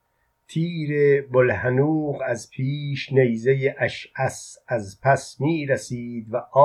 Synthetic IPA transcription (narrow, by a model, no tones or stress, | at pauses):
t̪ʰiːɾebolhænuːqæzpʰiːʃnejzejeʔæʃæsæzpʰæsmiːɾæsiːd̪væʔɒː